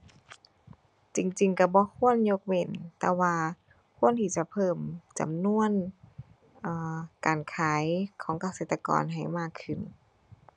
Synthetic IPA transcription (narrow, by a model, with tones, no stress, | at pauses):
t͡ɕi˨ŋt͡ɕi˨ŋka˧˩bɔː˧˦kʰu˧˥˨ənɲo˧˥k̚we˧˩nt̪ɛː˧waː˧ | kʰu˧˥˨ənt̪ʰi˧˩t͡ɕa˧˨pʰɤː˧˩mt͡ɕa̰˨˩mnu˧˥˨ən | ʔɤː˧˩kaː˨nkʰaː˨˦jkʰɔː˨˩˦ŋka˧˦seː˧˨˩t̪ːa˧kɔ̰ː˨nɦa˨˩jmaː˧˩kʰːɯ˧˩n